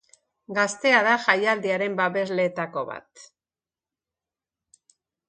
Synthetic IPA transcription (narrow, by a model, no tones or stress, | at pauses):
ɡast̪e̞aðaʝajald̪iaɾe̞mbaβe̞zle̞ːt̪ako̞̰βa̰t̪